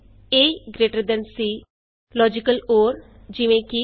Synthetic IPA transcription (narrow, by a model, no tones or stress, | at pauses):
eːiɡɾeːʈəɾd̪ənsiː | lɔːd͡ʒɪkəloːɾ | d͡ʒɪʋẽːki